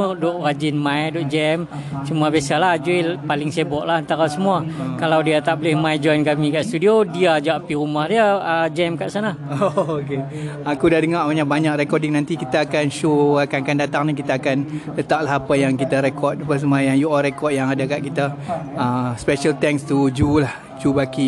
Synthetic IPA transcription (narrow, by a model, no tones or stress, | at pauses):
ədɔʔrad͡ʒɪnmãjdɔʔd͡ʒɛm | səmuabiasalahd͡ʒepalɪŋsebɔʔlahant̪aɾasəmuakalawdiat̪aʔbolɪhmajd͡ʒɔjnkamikaʔst̪udiodiad͡ʒaʔapiɾumahdiaəd͡ʒɛmkaʔsana | ookeakudahdəŋabaɲaʔ̚baɲak̚rɛkɔdɪŋnant̪ikit̪aːkanʃoakakandat̪aŋnikit̪aːkanlət̪aʔlaɦapajaŋkit̪aɾɛkɔt̪̚pəs̬əmajaŋjuɔɾɛkɔt̚jaŋadakaʔkit̪aəspɛʃəlt̪ɛŋst̪ud͡ʒulah | d͡ʒubaki